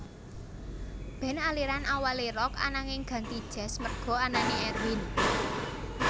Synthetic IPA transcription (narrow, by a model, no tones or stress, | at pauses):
b̥ɛ̤naliɾanʔawaleɾɔka̰naŋɪŋɡ̥ä̤nt̪id̥ʒ̥ɛ̤smərɡ̥ɔ̤ananeɛrwɪn